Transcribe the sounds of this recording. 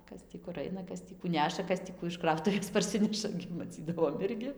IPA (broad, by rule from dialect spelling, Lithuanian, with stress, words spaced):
ˈkɐs tʲiː kʊr ˈɐɪnɐ ˈkɐs tʲiː kuː ˈnʲæːʃɐ ˈkɐs tʲiː ˈkuː ɪʃ ˈkrɐʊtʊʋʲeːs pɐrʲˈsʲɪnʲɛʃɐ ɡʲɪ mɐˈt͡sʲiːdɐʋoːm ˈɪrʲɡʲɪ